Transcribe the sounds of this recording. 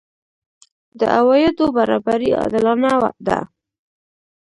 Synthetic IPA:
d̪ə̰ʔawɑjɪd̪obaɾɑbaɾiɑ̰d̪ɪlɑnawa̰d̪a̰

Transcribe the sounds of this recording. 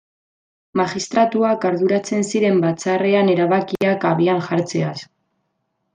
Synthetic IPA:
maxist̪ɾat̪uakaɾðuɾat͡se̞nsiɾe̞mbat͡sare̞ane̞ɾaβakiakaβiaŋʝaɾt͡se̞as

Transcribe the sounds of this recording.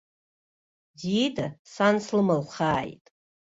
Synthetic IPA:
didasanslɨmalχaːjtʼ

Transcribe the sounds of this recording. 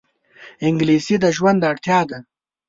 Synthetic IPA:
ɪŋɡlisid̪əʒwand̪aɽt̪jɑd̪a

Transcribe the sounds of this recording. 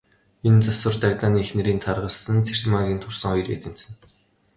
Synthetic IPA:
ent͡sasə̆rt̪aɣt̪aːniːexnĕɾiːnt̪ʰarʁə̆ɮsə̆nt͡sʰer̥maŋɣʲiːnt̪ʰʊrsə̆ŋɔj̆rḛt̪ɘ̆n̥t̪sɘ̆n

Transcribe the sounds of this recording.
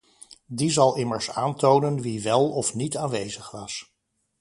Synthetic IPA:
dizɑlˠɪməɹsaːntownənʋiʋɛlˠɔfnitaːnʋejzəχʋɑs

